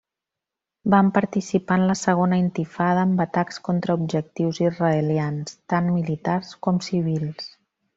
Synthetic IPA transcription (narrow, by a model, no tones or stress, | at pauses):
bampəɾt̪isipanləsəɣ̞onəint̪ifaðəːmbət̪akskɔnt̪ɾəub̚ʒək̚t̪iwzizrəeljanst̪anmilit̪arskɔmsiβ̞ilˠs